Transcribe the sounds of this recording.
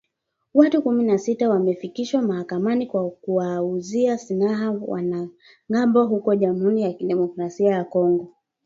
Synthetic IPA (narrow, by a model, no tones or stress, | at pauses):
watukuminasitawamɛfikiʃwamahakamanikwakuwauziasinaɦawa̰na | ŋambɔɦukɔʄamuɾijakiɗɛmɔkɾasiajakɔŋɡɔ